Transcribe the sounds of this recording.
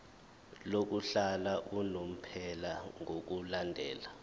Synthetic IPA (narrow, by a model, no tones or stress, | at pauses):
lok̬uɬalaʔunom̩pʰɛlaŋok̬ulandʱɛːla